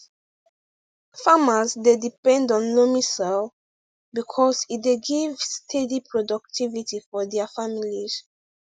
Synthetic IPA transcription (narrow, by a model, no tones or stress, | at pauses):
famasdedipɛ̃ndɔ̃nlomisɛl | bikʰɔsitdeɡivstʰedipʰɹɔdɔk̚tʰivitifɔdɛafamilis